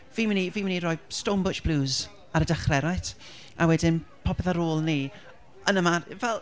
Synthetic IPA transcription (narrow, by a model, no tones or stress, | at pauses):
viːmɪniviːmɪnirɔjstowmbʊt͡ʃb̥luːz | aɾədaχrɛɾajt | awɛdɪnpʰɔpɛðaɾoːlˠniː | ənəmarvɛlˠ